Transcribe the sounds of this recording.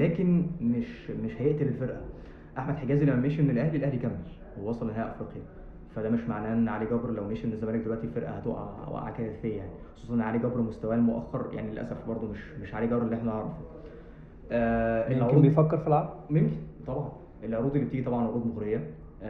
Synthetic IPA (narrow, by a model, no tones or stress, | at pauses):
læːkenmeʃmeʃhæjeʔt̪ilelfeɾʔæ | ʔaħmæd̪̥ħeɡæːzilæmːæmeːʃʔenːelʔæhlilʔæhlikæmːel | weːɑsˤɑlʔenɦæjːæʔɑfɾiːqjæ | fæd̪æːmeʃmaʕnæːʔenːʕaliɡæbɾlæwmeːʃʔenːezːæmæːlek̚d̪elwæʔt̪ilfeɾʔæ̰hæt̪ˤṵʔwʔæ̰ʔʕa̰kæθejjaʕnixosˤuːsˤʔenːʕaliɡæbɾmost̪æwæːlmoʔæ̰xːɑɾˤja̰ʕnielʔæ̰sæfbɑɾˤd̪ˤomeʃmeʃʕaliɡæbɾelːiʔeħnæʕɑɾˤɑfu | ʔæːʔelːod̪nbejfækːeɾfilʕaɡmemkit̪ˤɑbʕɑn | ʔelʕoɾuːd̪ˤilːibt̪iːɡit̪ˤɑbʕɑnʕoɾuːd̪moɣɾejːæ